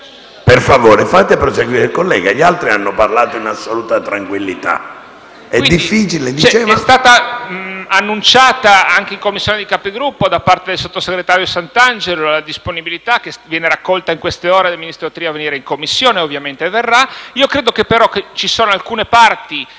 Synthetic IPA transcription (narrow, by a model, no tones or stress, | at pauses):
perfavoːɾefat̪eapɾoseɡwiːɾeikolːɛ̰ːɡaʎialt̪ɾianːoparlaːt̪oinasːoluːt̪at̪ɾaŋkwilːit̪a̰ | ɛwid̪ːiffːiːt͡ʃiled̪it͡ʃɛt͡ʃɛːɛst̪aːt̪a | anːunt͡ʃaːt̪aaŋkeiŋkomːisːjoːned̪ikapeɡɾupːod̪apːart̪ed̪elsot̪ːoseɡɾet̪aːɾjosant̪and͡ʒelolad̪isponibilit̪akːesvjɛːneɾakːɔlt̪aiŋkwest̪eɔːɾed̪eminist̪ɾot̪ɾiːaveniːɾeiŋkomːisːjoːneovːjament̪everːaiːokɾeːd̪okepːeɾɔkːet͡ʃisoːnoalkuːnepart̪i